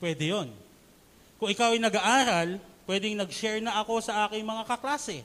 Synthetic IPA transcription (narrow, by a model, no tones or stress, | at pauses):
pwɛd̪ɛjo̞n | kʊŋʔɪkawɐjnɐɡaʔaːɾɐlpwɛd̪ɪŋnɐɡʃɛɹnɐʔɐko̞sɐʔaːkɪŋmɐŋakɐklaːsɛ